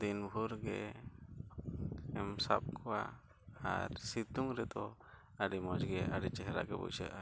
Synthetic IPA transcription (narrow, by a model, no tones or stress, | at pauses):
d̪inbʱuɾɡɛ̰ | ɛmsap̚kʰɔwa | a̰ɾsit̪uŋɾɛt̪ɔ | aɖimɔd͡ʒɡɛʔaɽit͡ʃɛɦɾa̰ɡɛbɔ̰sa̰ʔa